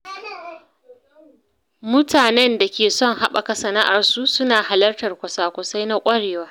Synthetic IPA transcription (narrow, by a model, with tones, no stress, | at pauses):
mʊ˦tʰaː˨nɛ˦nda˨kʲeː˨sɔ˦˨ŋha˦ɓa̰˨ka˨sɐ˨na˦ʔa˨rsu˦sʊ˦naː˨ha˨lɐ˦rtɐ˨rkʷɐ˨saː˦kʷʊ˨sa˦jna˦kʷʼɐ˦ɽeː˨waː˦